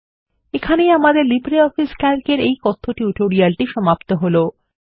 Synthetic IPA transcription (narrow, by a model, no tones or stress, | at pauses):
ekʰanejamad̪eɾlibɾeɔfiskalkeɾejkɔt̪ʰːoʈiuʈoɾialʈiʃɔmapt̪oɦolo